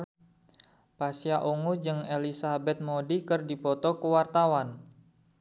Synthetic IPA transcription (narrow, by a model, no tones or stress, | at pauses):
pasiaʔuŋud͡ʒɨŋelisabɛt̪̚modikɨrdipɔt̪ɔkəwart̪awan